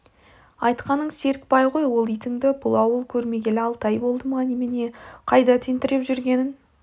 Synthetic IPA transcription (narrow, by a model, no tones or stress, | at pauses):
ɑjt̪qɑnəɴse̞ɾk̚pɑjʁo̞jwo̞lˠijt̪ɪŋd̪ɪbʊlˠɑwəlˠkʲʰɵɾme̞ɡʲe̞lɪɑlˠt̪ɑjbo̞lˠd̪əmɑnemene̞qʰɑjd̪ɑt̪ʰent̪ɪɾepʒʏɾɡʲe̞nɪn